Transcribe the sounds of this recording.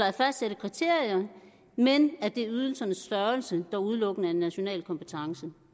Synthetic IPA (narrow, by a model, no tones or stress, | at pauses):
ɑ̈æɐfæsd̥seɾ̥ð̩ˠkʰʁit͡sʰe̝ɐ̰iɐ | menæɐd̥e̝yð̞ˠl̩sɐnəsd̥ɶɐlsəd̥ɑ̈uð̞ˠlɔ̽ɡ̥ənəæenːæɕo̝nɛ̰ːlkʰɒ̽mpʰet͡sʰɑ̈ŋsə